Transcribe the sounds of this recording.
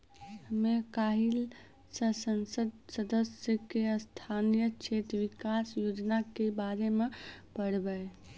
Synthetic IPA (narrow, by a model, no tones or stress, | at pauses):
həmekaɦil | səsənsəd̪səd̪əsjəkeəst̪ʰanijət͡ʃʰet̪ɾʋikasjod͡ʒnakebaɾemepəɽbə